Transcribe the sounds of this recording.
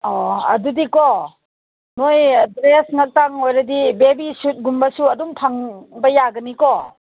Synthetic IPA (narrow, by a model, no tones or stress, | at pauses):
ɔɐ̰dudikɔ | nojdɾesŋak̚taŋojɾɐdibebisut̚ɡumbɐsuɐdumtʰaŋbɐjaɡɐnikɔ